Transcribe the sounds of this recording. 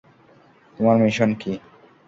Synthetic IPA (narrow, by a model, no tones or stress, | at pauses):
t̪omaɾmiʃonki